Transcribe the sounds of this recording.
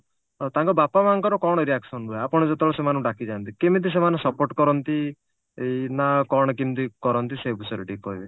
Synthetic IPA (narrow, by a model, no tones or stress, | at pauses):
t̪ãŋkɔbapamanɔ̃ŋkɔɾɔkɔɽ̃ɔɾiaksɔnɾueapɔɽ̃ɔd͡ʒet̪ɔɭɔsemanɔ̃ɖakid͡ʒant̪ikemit̪̬is̬emanɔ̃sɔpoɾʈkɔɾɔnt̪i | enakɔɽ̃ɔk̬int̪ikɔɾɔnt̪isebisɔɾeʈikɔibe